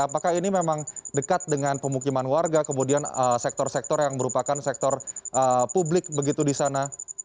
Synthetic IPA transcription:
apakahinimemaŋdəkat̪̚dəŋanpəmukimanuarɡakəmudianəsɛk̚t̪ɔrsɛk̚t̪ɔrjaŋməɾupakansɛk̚t̪ɔrʔəpublɪk̚bəɡit̪udisana

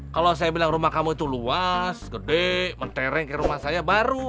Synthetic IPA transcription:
kalows̬ajabilaŋrumahkamuit̪uluasɡədemənt̪eɾɛŋkaɾumahsajabaɾu

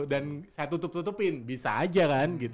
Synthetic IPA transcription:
ɗansat̪ut̪ʊp̚t̪ut̪ʊpinbisad͡ʒakanɡit̪

